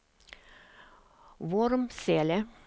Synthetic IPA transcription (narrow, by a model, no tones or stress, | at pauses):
ʋɔɾmseːlə